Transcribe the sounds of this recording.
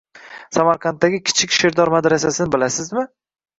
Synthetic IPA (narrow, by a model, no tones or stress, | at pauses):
samaɾqʰɑnt̪ːaɡʲɪkʲʰɪ̥t͡ʃʰɪkʲʃɪɾd̪ɒɾmad̪ɾas̬asɪnɪbɪlasɪzmɪ